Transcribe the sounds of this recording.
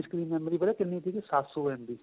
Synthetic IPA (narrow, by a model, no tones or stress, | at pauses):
skɾiːmɛ̃ːmɾiːbəɾaːkɪnːiːt̪iːkesaːsoːɛ̃ːnd̪iː